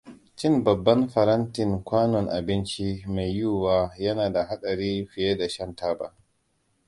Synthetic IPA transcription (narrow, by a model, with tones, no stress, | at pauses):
t͡ʃɪ˦nbɐ˨bːɐ˦nɸɐ˨ɾɐ˦ntɪ˨ŋkʷaː˦nɔ˨ŋʔa˨bɪ˦nt͡ʃi˦me˨jjuː˦waː˦jɐ˦naː˨da˨ɦa˦ɗɐ˨ɾiː˦ɸɪ˨jeː˦da˨ʃɐ˦ntaː˦ba̰˦˨